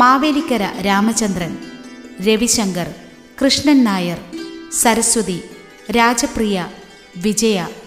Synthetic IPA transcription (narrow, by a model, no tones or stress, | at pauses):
maːʋeːlikʲːɐɾɐɾaːmɐt͡ɕɐnd̪rɐnɾe̞ʋiɕɐŋɡɐr | krɨʂɳɐnːaːjɐrsɐɾɐsɐd̪i | ɾaːd͡ʑɐprijɐ | ʋid͡ʑɐjɐ